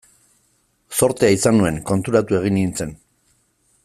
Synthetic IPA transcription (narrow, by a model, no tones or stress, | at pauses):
so̞ɾt̪eaisanue̞ŋko̞nt̪uɾat̪ue̞ɣ̞inint͡se̞n